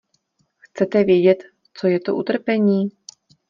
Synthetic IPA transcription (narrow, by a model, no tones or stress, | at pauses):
xt͡sɛt̪ɛvjɛɟɛt̪ | t͡so̞jɛt̪oʔut̪r̩pɛɲiː